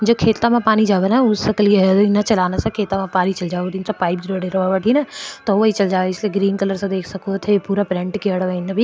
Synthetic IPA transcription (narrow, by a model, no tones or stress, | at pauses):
d͡ʒoːkʰeːt̪amãpaːnid͡ʒaːʋenaʊsɐkəlienɐt͡ʃɐlaːnasɐ̃kʰeːt̪amãpaːnit͡ʃɐld͡ʒaːʈ̪insapaːɪpd͡ʒɾoɖeɾɐʋaʋəʈʰinɐt̪ɔʋəit͡ʃɐld͡ʒaːeɪslieɡɾiːnkɐləɾsɐ̃d̪eːkʰsɐkot̪ʰepuːɾapɾẽɳʈkiɐɽʋɐinɐbʱi